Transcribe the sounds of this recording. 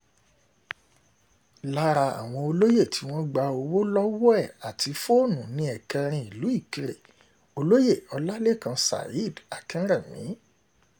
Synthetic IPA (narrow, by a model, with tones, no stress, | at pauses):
la˦ɾa˧a̰˨w̃ɔ̃˧o˧lo˦je˦˨ti˨˦w̃ɔ̃˦ɡ͡ba˧o˧wo˦lɔ˦wo˦ɛ˦˨a˨ti˧fo˦o˦˨nũ˨nĩ˧˦ɛ˨kɛ˧ɾ̃ĩ˧i˨lu˨˦i˦˨ki˧ɾe˨ | o˧lo˦je˦˨ɔ˧la˦le˦˨kã˧sa̰˨i˦˨da˨kĩ˨˦ɾɛ˦˨mĩ˨˦